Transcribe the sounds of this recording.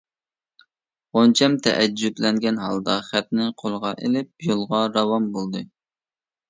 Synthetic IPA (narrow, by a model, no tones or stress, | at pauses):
ont͡ʃʰɛmt̪ʰɛ̰ʔɛd͡ʒːud̪lɛŋɡʲɛnɦɑlˠd̪ɑχæt̪̚nɪqʰolˠəʁɑʔelɪp̚jolˠʁɑɾɑwɑmbolˠd̪ɨ